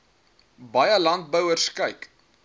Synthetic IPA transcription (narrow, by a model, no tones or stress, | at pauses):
bɐjəlɐnt̚bəwərskəjk